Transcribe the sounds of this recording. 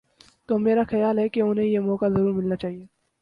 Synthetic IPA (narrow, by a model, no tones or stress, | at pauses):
t̪oːmeːɾaxɐjaːlɦɛkeʊnɦẽjemɔːkazɐɾuːɾmɪlnat͡ʃaːɦieː